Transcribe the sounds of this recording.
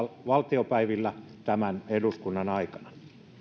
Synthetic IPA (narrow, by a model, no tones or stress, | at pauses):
ʋɑlt̪iopæiʋilːæ | t̪æmæneduskunːɑnɑikɑ̥nɑ̥